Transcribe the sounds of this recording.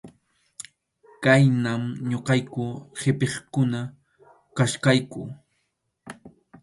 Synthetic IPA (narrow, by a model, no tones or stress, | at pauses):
kajnamɲoqɑjkʊhɪpeχkʊna | kaʃkajkʊ